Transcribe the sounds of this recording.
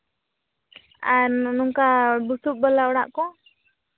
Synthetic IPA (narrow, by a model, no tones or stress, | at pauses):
aɾnuŋkabusubɔlaɔɽaʔkɔ